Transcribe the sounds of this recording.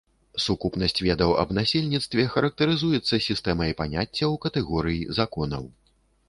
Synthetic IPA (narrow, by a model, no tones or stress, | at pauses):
sukupnɐsʲt͡sʲvʲɛd̪ɐwɐ̰bnasʲɛlʲnʲit̪st̪vʲɛxɐɾɐk̚t̪ɐɾɨzujɛt̪sːɐsʲist̪ɛmɐjpanʲat͡sʲːɐwkɐt̪ɛɣɔɾɨjizakɔnɐ̰w